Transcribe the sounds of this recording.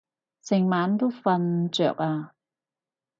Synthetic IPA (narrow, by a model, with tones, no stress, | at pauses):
sɪ˨˩ŋmaː˨˥nt̪o˥wfɐ˧nt͡sœ̰ː˨k̚aː˧